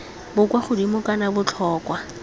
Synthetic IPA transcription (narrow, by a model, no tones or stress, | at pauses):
bʊkwaχʊdimʊkʼanabʊt͡ɬʰɔːkwa